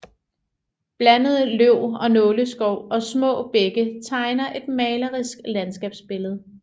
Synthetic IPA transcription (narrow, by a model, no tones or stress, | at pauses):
b̥lænəð̞̩ˠəløʊ̰ɒ̽nɔ̽ːləsɡ̥ɒʊ̰ɒ̽smɔ̰̽ːb̥eɡ̥ət͡sʰɑ̈ɪnɐʔe̝d̥mɛːlɐʁisɡ̥lænsɡ̥ɛ̰ːb̥sb̥e̝ləð̞̩ˠ